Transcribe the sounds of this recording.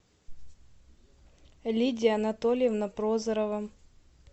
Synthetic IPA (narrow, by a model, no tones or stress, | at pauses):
lʲidʲɪjəɐnɐt̪olʲɪjɛvnɐpɾozəɾəvə